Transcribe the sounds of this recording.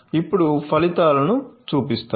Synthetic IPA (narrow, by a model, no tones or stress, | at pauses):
ipːuɽupʰɐlit̪aːlɐnut͡ʃuːpist̪a